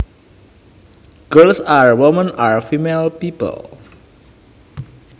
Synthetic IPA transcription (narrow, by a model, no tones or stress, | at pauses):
ɡ̥əlsaɹwɔmə̃naɹfimelpipə̰l